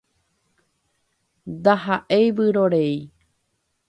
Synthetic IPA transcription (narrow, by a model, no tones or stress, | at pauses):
d̪aɦaʔejβɨɾoɾej